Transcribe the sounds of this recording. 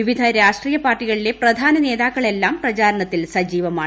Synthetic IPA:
iʋid̪ʱɐɾaːʂʈriːjɐpaːrʈːiɣɐɭile̞prɐd̪ʱaːnɐne̞ːðaːkːɐɭe̞lːaːmprɐt͡ɕaːɾɐɳɐt̪ːilsɐd͡ʑiːʋɐmaː

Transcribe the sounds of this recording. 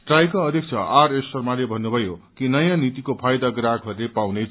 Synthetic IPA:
ʈrajkaʌd̪ʱek̚t͡sʰʌ̰aresʌrmalebʱʌnːubʱʌjokinʌjãnit̪ikopʰajd̪aɡrakʰɦʌɾlepawnet͡sʰ

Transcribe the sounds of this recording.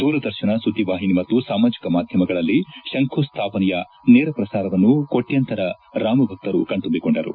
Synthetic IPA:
d̪̥uːɾɐd̪ɐɾʃinɐsut̪iʋaːɦinimɐt̪ːusaːmaːd͡ʒikɐmaːd̪ʱjɐmɐɡɐɭɐlːiʃɐŋkʰust̪ʰaːpɐnɛjɐ | nɛːɾɐpɾɐsaːɾɐʋɐnːuko̞ʈːjɐnt̪ɐɾɐ | ɾaːmɐbʱɐk̚t̪ɐɾukɐɳt̪umbiko̞ɳɖɐɾṵ

